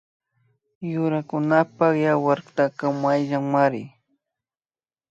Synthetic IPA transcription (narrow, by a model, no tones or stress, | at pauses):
jʊɾakʊnapaχjawaɾt̪akamajʒaŋmaɾɪ̰